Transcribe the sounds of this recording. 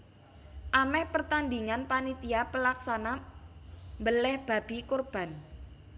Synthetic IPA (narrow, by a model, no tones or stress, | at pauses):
ʔamɛhpərt̪and̪iŋanpanit̪iapəlaksana | mbəlɛhb̥a̤b̥i̤korb̥a̤n